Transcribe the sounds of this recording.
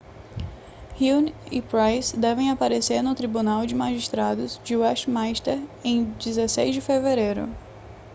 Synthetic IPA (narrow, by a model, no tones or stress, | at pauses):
hinipɾajsd̪ɛvẽj̃apaɾeseɾnʊt̪ɾibunawd͡ʒɪmaʒiʃt̪ɾad̪ʊzd͡ʒɪwɛʃt͡ʃmajʃt̪eɾẽj̃d͡ʒizesejzd͡ʒɪfeveɾejɾʊ̰